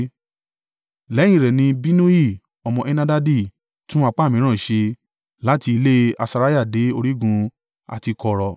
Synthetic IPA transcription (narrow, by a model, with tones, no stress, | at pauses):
lɛ˨˦j̃ĩ˦˨ɾɛ˨nĩ˧bi˦nũ˦i˦˨ | ɔ˧mɔ̃˧ʔɛ˦nã˦da˦di˦˨ | tũ˦a˧k͡pa˦˨mĩ˨˦ɾ̃ã˦˨i˨ʃe˧ | la˦ti˧i˧le˦a̰˧sa˧ɾa˦ja˦˨de˨˦o˧ɾi˦ɡũ˧ | a̰˨ti˧kɔ˧ɾɔ˧